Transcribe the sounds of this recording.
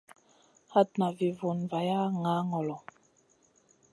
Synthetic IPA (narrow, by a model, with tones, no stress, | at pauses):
ha˦t̚na˨vi˨vu˨nva˨ja˦ŋa˨˦ŋɔ˨lɔ˨